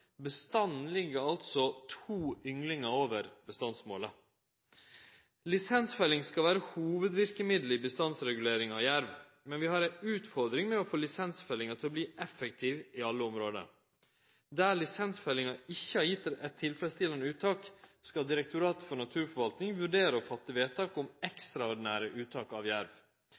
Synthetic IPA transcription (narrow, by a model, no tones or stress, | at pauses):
bəst̪ɑnn̩lɪɡəɑlt̪sɔt̪ʰuːʏŋlɪŋəoːʋəɾbəst̪ɑnsmo̰ːlə | lɪsɛnsfɛlɪŋskɑlʋæːɾəhuːʋəd̪ʋɪɾkəmɪd̪lɪbəst̪ɑnsɾɛɡʉleːɾɪŋɑʋjæɾʋ | mɛnʋɪhɑɾæʉːt̪fɔɾd̪ɾɪŋmɛɔfoːlɪsɛnsfœlɪŋɑt̪ʰɪlɔbliːʔɛfək̚t̪ʰiːʋɪɑlːəʊmɾoːd̪ə̰ | d̪æːlɪsɛnsfɛlɪŋɑɪçːəɑjɪt̪ːəɾɛt̪ʰːɪlfɛləst̪ʰɪlənəʉːt̪ʰːɑːkskɑd̪ɪɾɛk̚t̪ʊɾɑːt̪fɔɳɑt̪ʰʉːɾfɔɾʋɑlt̪nɪŋʋʉɖeːɾəɔfɑt̪ːəʋeːt̪ʰɑːkʊmɛkst̪ɾɑɔɖɪnæːɾəʔʉːt̪ʰɑːkɑ̰ʋjæɾʋ